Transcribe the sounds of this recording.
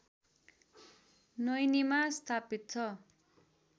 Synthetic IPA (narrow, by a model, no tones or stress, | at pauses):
nʌjnimast̪ʰapit̪̚t͡sʰʌ